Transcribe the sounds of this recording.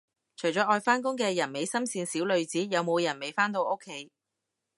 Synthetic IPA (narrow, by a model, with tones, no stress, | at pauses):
t͡ʃʰɵ˨˩ɥt͡sɔː˨˥ɔː˧jfaː˥nkʊ˥ŋkɛː˧jɐ˨˩nme˨˧jsɐ˥msiː˧nsiː˨˥wlɵ˨˧ɥt͡siː˨˥jɐ˨˧wmo˨˧wjɐ˨˩nme˨˧jfaː˥nt̪o˧wʔo˥kʰːe˨˥j